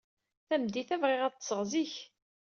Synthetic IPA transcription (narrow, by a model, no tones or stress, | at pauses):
θæmd̪iθævʁɪʁæt̪ːə̥səʁziç